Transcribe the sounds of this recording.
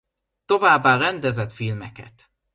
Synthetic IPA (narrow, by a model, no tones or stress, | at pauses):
t̪o̞vaːbːaːɾɛnd̪ɛzɛt̪filmɛkɛ̰t̪